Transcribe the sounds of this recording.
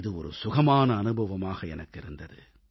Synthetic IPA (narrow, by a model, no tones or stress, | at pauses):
ðɯɔɾɯ̰sʊɣɐmaːnɐːnɯbʱɐʋɐmaːɣɐɛnɐkːɪɾɯnd̪ɐðɯ